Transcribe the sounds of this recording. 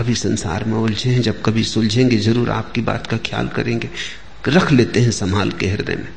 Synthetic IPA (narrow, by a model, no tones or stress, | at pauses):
ɐbʱisɐ̃nsa̰ːɾmẽʊld͡ʒʱeɦɛ̃d͡ʒɐb̚kɐbʱisʊld͡ʒʱẽːŋɡezɐɾuːɾa̰ːp̚kiba̰ːt̪kakʰja̰ːlkɐ̰ɾẽːŋɡeː | ɾɐkʰleːt̪eɦɛ̃sɐmaːlkeɦɪɾd̪ḛmḛ̃